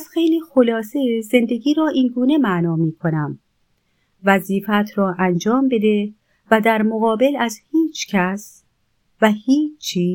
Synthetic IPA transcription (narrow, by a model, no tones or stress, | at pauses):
æzxe̞jliːxo̞lɒːseze̞nd̪e̞ɟiːɾɒːʔinɡuːne̞mæʔnɒːmiːkʰo̞næm | væziːfæt̪ʰɾɒːʔænd͡ʒɒːmbe̞d̪e̞ | væd̪æɾmoɣɒːbe̞læzhiːt͡ʃʰcʰæs | væhiːt͡ʃʰːiː